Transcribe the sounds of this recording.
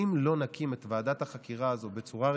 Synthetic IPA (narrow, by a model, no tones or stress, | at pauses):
imlo̞nakimet̪vaːdathaχakiʁaːzo̞be̞t͡suʁa